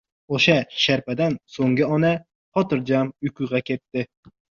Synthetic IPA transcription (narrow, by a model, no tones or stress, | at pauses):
oʃaʃaɾpad̪ansoŋɡʲɪɒna | χɒt̪ɨɾd͡ʒamʊkʰuʁɑkʲʰet̪ːɪ